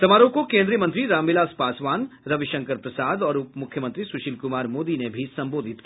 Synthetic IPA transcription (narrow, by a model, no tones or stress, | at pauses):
t̪ɐmaːɾõkokẽːnd̪ɾijəmɐ̃nt̪ɾiɾaːmɪlaːspaːsʋaːnɾɐʋɪʃə̃ŋkəɾpɾɐsaːd̪ɔːɾupmʊkʰjəmə̃nt̪ɾisʊʃɪlkʊmaːɾmoːd̪inebʱisɐ̃mboːd̪ʱɪt̪kia